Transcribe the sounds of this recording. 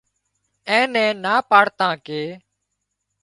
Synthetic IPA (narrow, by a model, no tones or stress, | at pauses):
ɛ̃ːnɛ̃ːnaːpaːɽt̪ãːkeː